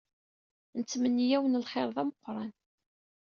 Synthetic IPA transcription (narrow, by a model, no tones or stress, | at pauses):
nt͡sːmənːijæwənəlχeɾˤðˤæməqːɾˤɑn